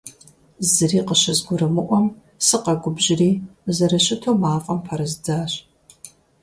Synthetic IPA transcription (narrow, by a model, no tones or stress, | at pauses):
zɨriːqəɕɐzɡʷʊɾɨmɨʔʷɔm | sɨqɐɡʷʊbʑɪriːzɐɾɐɕɪtʰoːmaːfʼɐmpʰɐɾɐzd͡zaːɕ